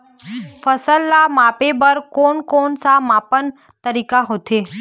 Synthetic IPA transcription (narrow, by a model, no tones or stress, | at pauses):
fəsəlːamapebəɾkoɳkoɳsamapən | t̪əɾikaɦot̪ʰe